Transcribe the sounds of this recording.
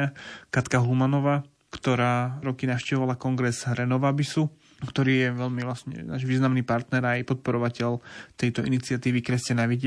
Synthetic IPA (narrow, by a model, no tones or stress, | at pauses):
akat̪kaɦlumanɔʋaː | kt̪ɔɾaːɾɔkinaʊʃcɛʋɔʋalakɔŋɡɾɛzɾɛnɔʋabisu | kt̪ɔɾiːjɛʋɛʎmiʋlasɲɛ̰na̰ːʒʋiːznamniːpaɾt̪nɛɾajɛpɔt̪̚pɔɾɔʋacɛʎt̪ɛjt̪ɔʔinit͡sɪat̪iːʋikɾɛscanaʋiɟ